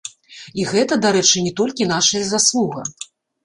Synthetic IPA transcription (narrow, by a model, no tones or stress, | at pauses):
iɣɛt̪ɐd̪aɾɛt͡ʂɨnʲɛt̪ɔlʲkʲin̪aʂɐjɐzaslˠuɣɐ